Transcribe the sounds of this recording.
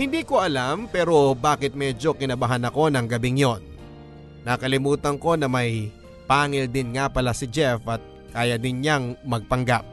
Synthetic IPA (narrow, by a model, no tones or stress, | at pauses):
hɪnd̪iːko̞ʔɐlampɛːɾo̞baːkɪt̪̚mɛd͡ʒo̞kɪnɐbɐɦanɐko̞nɐŋɡɐbɪŋjo̞nː | ɐkɐlɪmuːt̪ɐŋko̞nɐmɐj | paːŋɪld̪ɪnŋapɐlasɪd͡ʒɛfɐt̪̚ | kaːjɐd̪ɪnɲaŋmɐɡ̚pɐŋɡap̚